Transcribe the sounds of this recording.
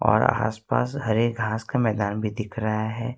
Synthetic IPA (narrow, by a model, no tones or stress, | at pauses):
ɔ̰ːɾa̰ːspa̰ːshɐɾek̚ɡʱaːskamɛːd̪aːnbʱid̪ɪkʰɾəɦaɦɛː